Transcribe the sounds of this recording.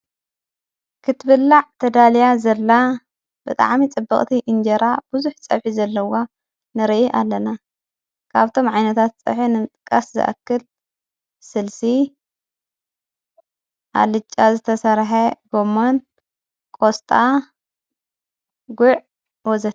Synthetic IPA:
kʰɨt̪bɨlːaʕt̪ʰɐd̪aljazɐlːa | b̥ɨt̪ʼa̰ʕmit͡sʼɨbːɐkʼt̪ʰiʔɨnd͡ʒɐɾab̥ɨzuħt͡sʼɐ̰βħizɐlːɐwa | nɨɾɐʔiʔalːɐna | kʰaβt̪ʰo̞mʕajnɐt̪ʰat̪̚t͡sʼɐ̰ħinɨmɨt̪ʼɨkʼːaszɨ̰ʔa̰kːɨl | sɨlsi | ʔa̰lɨt͡ʃʼːazɨt̪ʰɐsɐɾħeɡomːon | kʼost̪ʼa | ɡʊʕ | wɔzɐt̪

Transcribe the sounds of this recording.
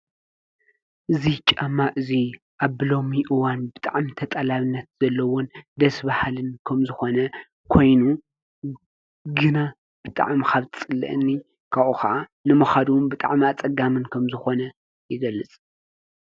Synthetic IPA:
ʔɨzit͡ʃʼɐmːaʔɨzi | ʔaβːɨlo̞miʔɨwanbɨt̪ʼa̰ʕmit̪ʰɐt̪ʼɐlaβɨnːɐt̪z̥ɐlːɐwond̪ɐsbahlɨnkʰɐmzɨxo̞nɐ | kʰo̞jnu | ɡɨna | b̥ɨt̪ʼa̰ʕmkʰaβt̪ʰɨt͡sʼɨlːɐ̰ʔɨnːi | kʰaβʔuxɐʔanɨmɐxad̪uwnbɨt̪ʼa̰ʕmiat͡sʼɐɡamɨnkʰɐmzɨxo̞nɐ | jɪɡɐlːɨt͡sʼ

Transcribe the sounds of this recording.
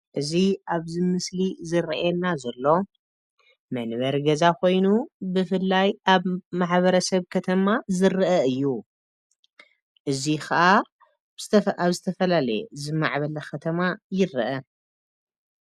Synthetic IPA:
ʔɨziʔaβzɨmɨslizɨɾʔjɛlnazɐlːo̞ | mɐnβɐɾɡɐzakʰo̞jnubɨfɨlːajʔaβmaħβɐɾɐsɐβkʰɐt̪ʰɐmazɨɾɨʔɐɨjːu | ʔɨzixɐʔa | ɐaβzɨt̪ʰɐfɐlalɐjezɨma̰ʕβɐlɐkʰɐt̪ʰɐmajɪɾʔɐ

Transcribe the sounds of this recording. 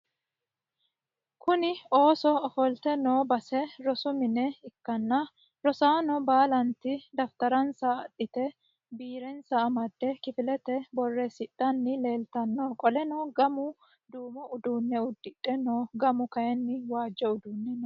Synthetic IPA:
kʊnɪo̞ːsɔːfɔlt̪ɛnoːbɐsɛɾɔsʊmɪnɛɪkːɐnːɐ | ɾɔsaːnɔbaːlɐnt̪ɪd̪ɐft̪ɐɾɐnsɐːᶑɪt̪ɛ | biːɾɛnsɐːmɐd̪ːɛkɪfɪlɛt̪ɛbɔrːesɪᶑʼːɐnːɪle̞ːlt̪ɐnːoːkʼɔlɛnoːɡɐmʊ | d̪uːmɔʔʊd̪uːnːɛʊd̪ːɪᶑʼːɛnoːɡɐmʊkɐjɛnːɪwaːd͡ʒːɛʊd̪uːnːɛn

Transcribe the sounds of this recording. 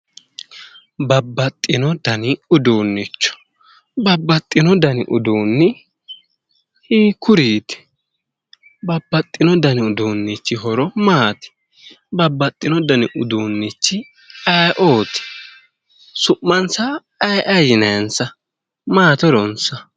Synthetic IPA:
bɐbːɐt̪ʼːɪnɔd̪ɐnɪʊd̪uːnːɪt͡ʃːɔ̥ | bɐbːɐt̪ʼːɪnɔd̪ɐnɪʔʊd̪uːnːɪ | hiːkʊɾiːt̪ɪ̥ | bɐbːɐt̪ʼːɪnɔd̪ɐnɪʊd̪uːnːɪt͡ʃːɪɦɔɾɔmaːt̪ɪ̥ | bɐbːɐt̪ʼːɪnɔd̪ɐnɪʔʊd̪uːnːɪt͡ʃːɪ | ɐjʔoːt̪ɪ̥ | sʊʔːɐnsɐː | jʔɐjɪnɐjɐnsɐ | maːt̪ɔɾɔnsɐ

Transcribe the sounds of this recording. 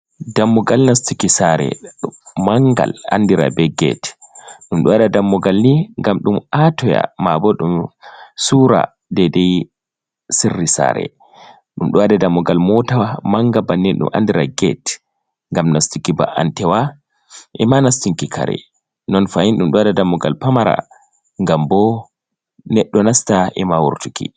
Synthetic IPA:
damːɔɡalnastikisaɾɛ̰ɗmaŋɡa̰la̰ndiɾa̰bɛɡɛ̰tɗumɗɔwadadamːɔɡalniŋɡamɗumatɔja̰mabɔɗumsuɾa̰ | dɛdɛj | sirːisa̰ɾɛ̰ | ɗumɗuwadɛdamːɔɡalmɔtawamaŋɡabanːinɗṵmʔa̰ndiɾaɡɛ̰t | ŋɡamnastikiba̰ʔantɛwa | ʔɛmanastiŋkikʰa̰ɾɛ̰ | nɔnfajinɗumɗuwadɛdamːɔɡa̰lpamaɾa̰ | ŋɡambɔ | nɛɗːɔnastaʔɛmawṵɾtukḭ

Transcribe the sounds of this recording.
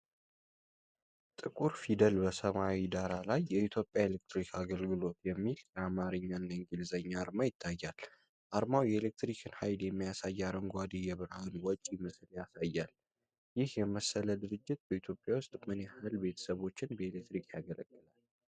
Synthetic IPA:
t̪ʼɨkʼuɾfid̪əlbəsəmawid̪aɾalajːɛit̪ʰjo̞pʼːjaelek̚t̪ɾikʰaɡəlɡɨlo̞t̪jɛmːiljɛamaɾɨɲːanːaŋɡɨlzəɲːaːɾmajɪt̪ʰːajːal | ʔaɾmawjɛelek̚t̪ɾikʰɨnhajljɛmːijasajːaɾəŋɡʷad̪ijɛβɨɾhanwɔt͡ʃʼːimɨsljasajːal | jɪhjɛməsːələd̪ɨɾɨd͡ʒːɪt̪̚bəit̪ʰjo̞pʼːjawʊst̪ʼmɨnjɛhalbe̞t̪ʰə̥səβo̞t͡ʃːɪnbəelek̚t̪ɾikjaɡələɡʼːɨlal

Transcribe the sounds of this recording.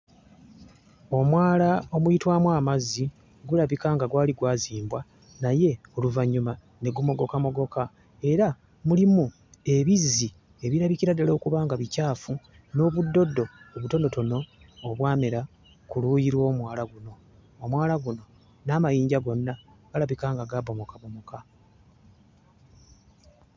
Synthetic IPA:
o̞mwaːlao̞mujitwaːmwaːmazi | ɡulaβikaŋɡaɡwaːliɡwaːziːmbwa | naje̞oluvaɲːuma | ne̞ɡumo̞ɡo̞kamo̞ɡo̞ka | e̞ɾa | mulimu | e̞βizi | e̞βiɾaβiciɾadalo̞ːkuβaːŋɡaβicaːfu | no̞ːβudːo̞dːo̞ːβuto̞no̞to̞no̞ːβwaːmeɾa | kuluːjiɾwo̞ːmwaːlaɡuno̞ː | mwaːlaɡuno̞ | naːmajiːɲɟaɡo̞nːa | ɡ̥alaβikaːŋɡaɡabo̞mo̞kaβo̞mo̞ka

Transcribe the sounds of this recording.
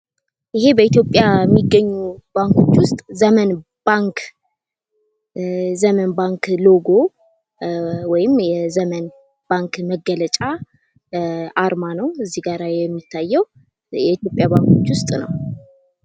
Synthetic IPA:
ʔɪɦe̞bəit̪jo̞pʼjajɛmːiɡːəɲːub̥aŋkʰo̞t͡ʃːwʊst̪ʼzəmən | b̥aŋkʰ | zəmənbaŋklo̞ɡo̞ | wɔjɪmjɛzəmən | b̥aŋkməɡːələt͡ʃʼa | ʔaɾmanəwɨzːihɡaɾajɛmːit̪ʰːajːɛw | jɛit̪jo̞pʼjabaŋkʰo̞t͡ʃːwʊst̪ʼnə̰w

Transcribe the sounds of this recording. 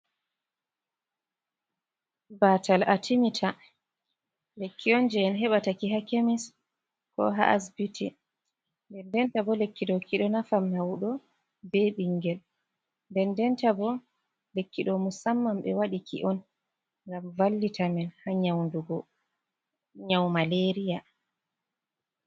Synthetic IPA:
batalatimitʰa | lekːiɔnd͡ʒɛɛnɦɛɓatakiɦakemis | kɔ̰ɦa̰ʔasbitʰi | ndɛndɛntabɔlekːiɗɔkiɗɔnafamhawuɗɔ | bɛɓiŋɡɛl | ndɛndɛntabɔ | lekːiɗɔmusamːamɓɛ̰waɗikʰḭʔɔn | ŋɡamvalːitʰamɛnhaɲawnduɡɔ | ɲawmaleɾija

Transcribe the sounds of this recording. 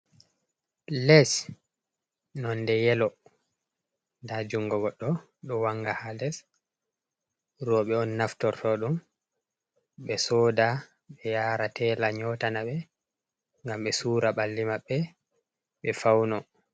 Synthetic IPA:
lɛs | nɔndɛjɛlɔ | ndad͡ʒuŋɡɔɡɔɗːɔ | ɗɔwaŋɡahalɛs | rɔɓɛɔnːaftɔɾtɔɗum | ɓɛsɔːda | ɓɛjaːɾatʰɛlaɲɔtanaɓɛ | ŋɡamɓɛsuːɾaɓalːimaɓːɛ | ɓɛfawnɔ

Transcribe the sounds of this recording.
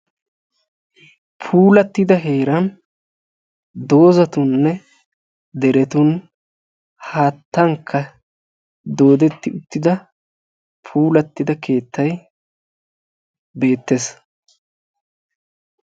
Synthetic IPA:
pʰuːlɐt̪ːɪd̪ɐɦe̞ːɾɐn | d̪o̞ːzɐt̪ʊnːɛ | d̪ɛɾɛt̪ʊn | haːt̪ːɐŋkʰːɐ | d̪o̞ːd̪ɛt̪ːɪʊt̪ːɪd̪ɐ | pʰuːlɐt̪ːɪd̪ɐkʰe̞ːt̪ʰːɐj | be̞ːt̪ːes

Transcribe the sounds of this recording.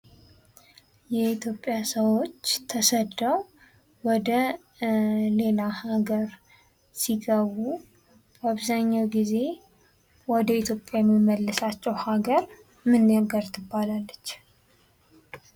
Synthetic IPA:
jɛit̪ʰjo̞pʼːjasəwo̞t͡ʃːt̪ʰəsəd̪əw | wɔd̪ə | le̞lahaɡəɾ | siɡəβu | baβzaɲːawɡize̞ | wɔd̪əit̪ʰjo̞pʼjajɛmːimːəlːəsat͡ʃːɛwhaɡəɾ | mɨnːjaɡəɾt̪ʰɨbːalalːət͡ʃː

